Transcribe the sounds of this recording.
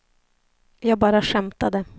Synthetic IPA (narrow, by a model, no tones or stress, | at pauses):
jɑːɡ̚bɑːɾaʂɛmt̪ad̪ə